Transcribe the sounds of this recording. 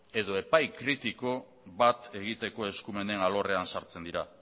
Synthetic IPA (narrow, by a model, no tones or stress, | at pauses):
e̞ðo̞e̞pajkɾit̪iko̞ | βat̪e̞ɣ̞it̪e̞ko̞e̞skume̞ne̞nalo̞re̞ansaɾt͡se̞nd̪iɾa